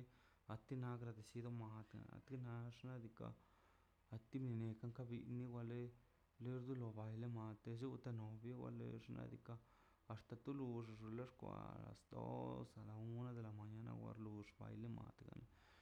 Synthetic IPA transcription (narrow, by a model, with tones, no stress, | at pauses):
a˨t̪i˦na˧˦ɡɾa˨d̪e˨si˧d̪o˦ma˨t̪a˨na̰˨t̪i˦na˧ʐna˦d̪i˧ka̰ː˨ | t̪i˦bni˧ne˨ka˦ŋka˦bḭ˧˨ni˦ɡʷa˧le˦ | le˦ɾd̪u˦lo˧ba˨jle˦ma˨t̪e˧zu˦t̪a˧no˨bja˦ɡʷwa̰˧lḛ˧˦ʐna̰˧d̪i˧kaː˧˨ | st̪a˨t̪u˦lu˧ʐʐu˧la˦ʂkʷa̰˨la̰˨sd̪o̰˦sa˨la˨u˦na˦d̪e˨la˨ma˨ɲa˧na̰˦ɡʷa̰˧ɾlu˨˧ʂba̰˨jle˦ma̰˨t̪ɡa̰˨n